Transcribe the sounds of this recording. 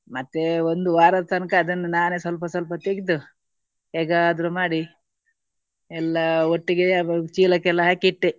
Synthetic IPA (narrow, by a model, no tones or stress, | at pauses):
mɐt̪ːeond̪uʋaːɾɐd̪ɐt̪ɐnkɐːd̪ɐnːunaːnesɐlp̬ɐsɐlpɐt̪eɡid̪u | ɦɛːɡɐːd̪ɾumaːɽi | ɛlːɐoʈːiɡet͡ʃiːlɐkɛlːɐɦaːkiʈːe